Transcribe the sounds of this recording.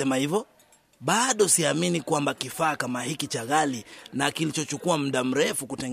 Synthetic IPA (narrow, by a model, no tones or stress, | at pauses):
ɛmahivɔ | ɓaɗɔsiaminikwambakifaːkamahikit͡ʃaɣalinakilit͡ʃɔt͡ʃukuam̩ɗam̩ɾɛfukutɛŋɡ